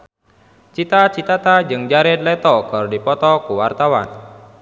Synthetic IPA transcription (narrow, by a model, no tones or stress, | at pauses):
t͡ʃit̪at͡ʃit̪at̪ad͡ʒɨŋd͡ʒaɾɪd̪lɛt̪ɔkɔrdipɔt̪ɔkuwart̪awa̰n